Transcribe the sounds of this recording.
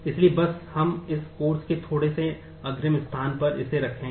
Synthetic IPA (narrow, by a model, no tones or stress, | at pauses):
ɪsliebɐshɐmɪskoːɾsket̪ʰoːɽese | ɐɡɾəmɪst̪ʰaːnpɐɾɪ̰seɾɐkʰẽː